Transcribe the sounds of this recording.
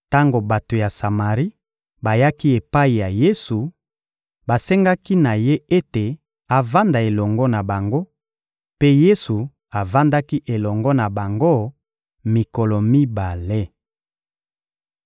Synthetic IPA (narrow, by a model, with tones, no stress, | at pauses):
ta˦ŋɡo˨ba˨to˨ja˨sa˨ma˨ʁi˦ | ba˨ja˦ki˦e˨pa˦i˨ja˨je˦su˨ | ba˨sɛ˦ŋɡa˦ki˦na˨je˦e˦te˨ | a˨va˦nda˨e˨lɔ˨ŋɡɔ˦na˨ba˨ŋɡo˦ | pe˦je˦su˨ | a˨va˦nda˦ki˦ʔe˨lɔ˨ŋɡɔ˦na˨ba˨ŋɡo˦ | mi˨kɔ˨lɔ˨mi˦ba˨le˦